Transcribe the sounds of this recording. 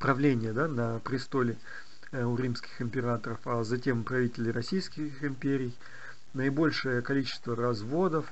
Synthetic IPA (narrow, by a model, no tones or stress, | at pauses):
pɾɐvlʲenʲɪjəd̪anəpɾʲɪst̪o̞lʲɪ | ʊɾʲimskʲɪ̥xɪmʲpʲɪɾat̪əɾəfazɐtʲe̞mpɾɐvʲitʲɪlʲɪɾɐsʲijskʲɪxɪmʲpʲeɾʲɪj | nəɪbo̞lʲʂɨjəkɐlʲit͡ɕɪ̥st̪vəɾɐzvo̞d̪əf